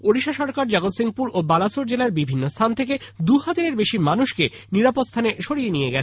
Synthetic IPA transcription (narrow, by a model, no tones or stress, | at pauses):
oɾiʃaʃɔɾkaɾd͡ʑaɡot̪siŋpuɾobalasoɾd͡ʑelaɾbibʱinːost̪ʰant̪ʰek̬ed̪uhad͡ʑaɾeɾbeʃimanuʃkeniɾapot̪st̪ʰaneʃoɾijenijeɡɛt͡ɕʰe